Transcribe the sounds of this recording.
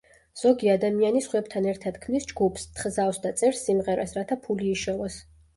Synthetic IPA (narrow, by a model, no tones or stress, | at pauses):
z̥ɔɡiad̪amianisχwɛb̚t̪ʰanɛɾt̪ʰad̪̥kʰmnisd͡ʒɡupʰst̪ʰχzafsd̪at̪sʼɛɾsːimʁɛɾasɾat̪ʰapʰuliːʃɔvas